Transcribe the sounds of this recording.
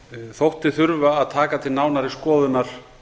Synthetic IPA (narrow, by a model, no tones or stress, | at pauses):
θowht̪ɪθʏɾvaːðt̪ʰaːkat̪ʰɪlnaːwnaɾɪskɔːðʏnaɾ̥